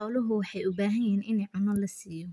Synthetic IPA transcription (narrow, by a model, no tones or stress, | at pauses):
ɔlʊɦʊwɑħɑjʊbaːɦɐjɛːnʔɪnɛjʕɑmɐlːɐsiːjɔ